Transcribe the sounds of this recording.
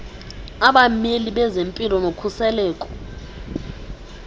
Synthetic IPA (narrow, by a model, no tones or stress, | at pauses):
aɓameliɓɛzempʼilɔnokʰusɛlɛːkʼɔ̥